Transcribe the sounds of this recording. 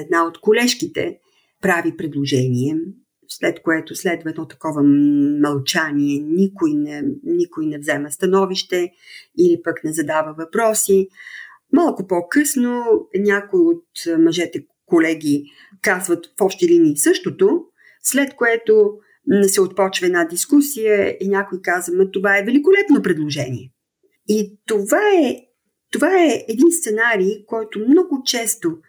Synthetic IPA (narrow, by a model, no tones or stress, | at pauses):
ɛd̪̚naot̪kolɛʃkit̪ɛ̰ | pɾavipɾɛd̪lˠoʒɛniɛ | slɛt̪koɛt̪oslɛd̪vəɛd̪ɔt̪ɐ̥kɔvəmɐlˠt͡ʃaniɛnʲikoinɛnikoinɛvzɛməst̪ɐnɔviʃt̪ɛ | ilipəknɛzɐd̪avəvɐpɾɔsi | malˠkopɔkɤsnonʲakoiot̪mɐʒɛt̪ɛ | kolɛɡʲi | kazvət̪fɔpʃt̪ɛliniːsɤʃt̪ot̪o | slɛt̪koɛt̪o | nɛsɛot̪̚pɔt͡ʃvəɛd̪nad̪iskusijəinʲjakoikazvəmət̪ovaɛvɛlikolɛt̪nopɾɛd̪lˠoʒɛnʲḭɛ | it̪ovaɛ | t̪ovaɛɛd̪inst̪sɛnaɾikɔjt̪omnɔɡʊt͡ʃɛst̪o